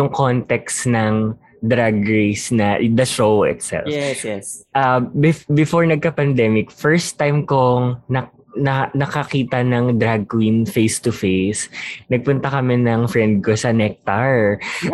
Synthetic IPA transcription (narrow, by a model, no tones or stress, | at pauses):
jʊŋkont̪ɛksnɐŋ | d̪ɾaɡɹejsnɐd̪ɐʃowɪ̰t̪sɛ̰lf | ʔɐbɪbɪfoɹnɐɡ̚kɐpɐnd̪ɛmɪkfɛɹst̪ːajmkoŋnɐ | nɐnɐkɐkiːt̪ɐnɐŋd̪ɾaɡ̚winfejst̪ʊfejsnɐɡ̚pʊnt̪ɐkɐmɛnɐŋfɹɛnd̪̚kosɐnɛk̚t̪ɐɹ